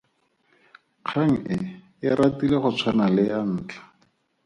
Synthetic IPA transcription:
q͡χʰaŋ̩ɪ | ɪratileχʊt͡sʰwanalɪan̩ːt͡ɬḁ

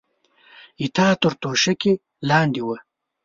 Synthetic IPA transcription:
it̪ɑːt̪əɾt̪oʃɐke | lɑːnd̪iwɐ

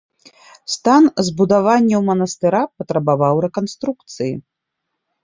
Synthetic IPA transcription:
st̪anzbud̪avanʲːɐwmɐnɐst̪ɨɾapɐt̪ɾɐbavawɾɛkanst̪ɾukt̪sɨjḭ

